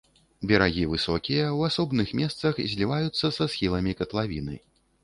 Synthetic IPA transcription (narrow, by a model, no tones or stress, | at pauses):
bʲɛɾaɣʲivɨsɔkʲijɐwasɔbnɨxmʲɛst̪sɐxzʲlʲivajut̪sːɐsasxʲilˠɐmʲikɐt̪lˠavʲḭnɨ̰